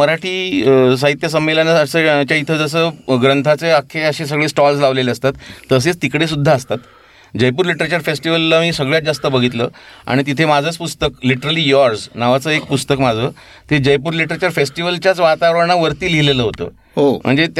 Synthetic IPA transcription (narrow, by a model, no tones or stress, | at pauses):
məɾaʈʰiːs̬aɦit̪jas̬əmːelanaːsət͡ɕjait̪ʰəd͡zəs̬əːɡɾənt̪ʰat͡seakʰːeəɕiːs̬əɡɭesʈɔlslaʋleleəst̪at̪ːəs̬et͡st̪ikɽes̬ud̪ʱːaːst̪at̪ | d͡ʑəjpuːɾliʈəɾet͡ɕəɾfesʈiʋəlːamiːsəɡɭjat̪̚d͡zast̪əbəɡʱit̪lə̰ːa̰ɽ̃it̪̬it̪ʰemad͡zʱət͡spust̪əkliʈəɾəliːjɔɾsnaʋat͡səːek̚pust̪əkmad͡zʱəː | t̪ʰed͡ʑəjpuːɾliʈəɾat͡ɕəɾfesʈiʋəlt͡ɕjat͡sʋat̪aʋəɾɳ̃aʋəɾt̪iːlileləɦot̪ə̰ː | ɦom̤ə̰ɳd͡zet̪